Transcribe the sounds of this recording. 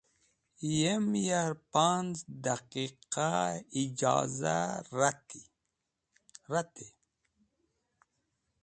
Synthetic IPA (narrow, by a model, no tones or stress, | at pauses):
jemjaɾpanzd̪aqiqaid͡ʒɑ̰ːza̰ɾat̪i | ɾat̪e